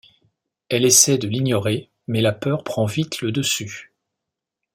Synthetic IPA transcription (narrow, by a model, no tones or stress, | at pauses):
ɛlesɛd̪əliɲjɔʁe | mɛlapœʁpχɑ̃vit̪ləd̪əsy